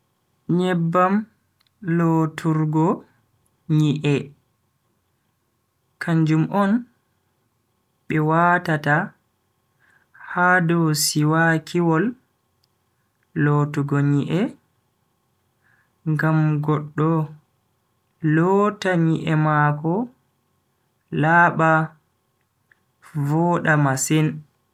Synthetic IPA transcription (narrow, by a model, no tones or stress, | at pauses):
ɲɛbːam | lotʰuɾɡɔ | ɲiʔɛ | kʰaɲd͡ʒumʔɔn | ɓɛwaːtata | haːdɔsiwakʰiwɔl | oːtuɡoɲiʔɛ | ŋɡamɡɔɗːɔ | lɔtaɲiʔɛmakɔ | laːɓa | vɔːɗamasɛn